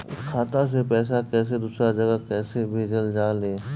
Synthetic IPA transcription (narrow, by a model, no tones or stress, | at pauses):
ʊkʰaːt̪as̬epɛːs̬akɛːs̬ed̪ʊsɾad͡ʒɐɡəkɛːsebʱeːd͡ʒəld͡ʒaːleː